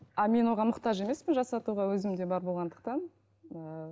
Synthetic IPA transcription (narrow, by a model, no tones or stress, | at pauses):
ɑme̞nwo̞ʁɑmʊqt̪ɑʒe̞me̞spɪnʒɑsɑt̪uʁɑwɵzɪmd̪e̞bɑɾbo̞lˠʁɑnd̪əq̚t̪ɑn | ə